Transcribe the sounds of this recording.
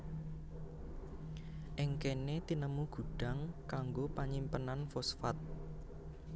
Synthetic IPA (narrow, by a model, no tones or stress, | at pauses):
ʔɪŋkenet̪inəmuɡ̥ṳɖ̥a̤ŋkaŋɡopaɲimpənanfɔsfat̪̚